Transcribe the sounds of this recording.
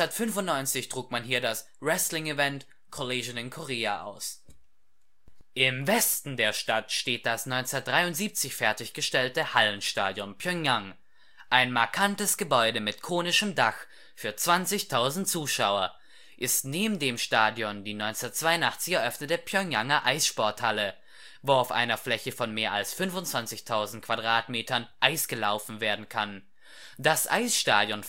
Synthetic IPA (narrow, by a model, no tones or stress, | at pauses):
atfʏnfʊntnɔʏnt͡sɪçtʁ̥uːkmanhiːɐdas | ʁɛstlɪŋivɛnt | kʰoleːʒnɪnkʰoʁeːa̰ʔa̰ʊs | ʔɪmvɛstn̩deːɐʃtatʃteːt̚d̥asnɔʏnt͡sɛnɐt̚d̥ʁaɪʊntz̥iːp̚t͡sɪçfɛɐtɪçɡ̥əʃtɛltəhalənʃta̰ːdjɔnpʰjœŋaŋ | ʔaɪnmaɐkʰantəsɡ̥əbɔʏdəmɪtkʰoːnɪʃəmdax | fyːɐt͡sv̥ant͡sɪçtʰaʊzn̩tt͡suːʃaʊɐ | ʔɪstneːbm̩deːmʃtaːdjɔndiːnɔʏnt͡sɛnɐtt͡sv̥aɪʊntʔaχt͡sɪçɛɐʔœfnətdeːɐpʰjœŋaŋɐʔaɪsʃpɔɐthalə | voːaʊfʔa̰ɪnɐflɛçəfɔnmeːɐa̰lsfʏnvʊntt͡sv̥ant͡sɪçtʰaʊzn̩t̚kʰv̥adʁaːtmeːtʰɐnʔaɪsɡ̥əlaʊfn̩veːɐdn̩kʰan | dasʔa̰ɪsʃta̰ːdjɔn